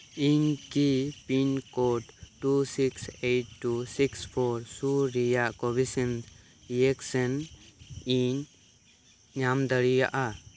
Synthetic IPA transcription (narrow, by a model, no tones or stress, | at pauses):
iɲkipinkoʈʈːusiksejʈʈːusikspʰɔɾsuɾijaʔkɔbisin | jeksɛn | iɲ | ɲamd̪əɽija̰ʔa